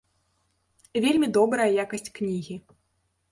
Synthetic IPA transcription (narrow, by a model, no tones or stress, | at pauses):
vʲelʲmʲid̪ɔbɾɐjɐjakɐsʲt͡sʲknʲiɣʲi